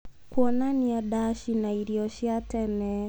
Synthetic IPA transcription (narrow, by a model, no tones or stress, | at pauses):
kwɔnaniadaʃinaiɾiɔʃiatɛnɛ